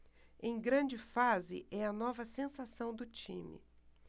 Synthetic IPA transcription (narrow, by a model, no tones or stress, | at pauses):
ẽj̃ɡɾɐ̃d͡ʒɪfazɪ̰ʔɛɐnɔvɐsẽsasɐ̃w̃d̪ʊt͡ʃḭ̃mɪ̰